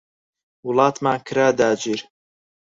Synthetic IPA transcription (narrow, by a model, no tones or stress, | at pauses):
wʊlɑːt̪maːkʰɨɾaːd̪aːd͡ʒiːɾ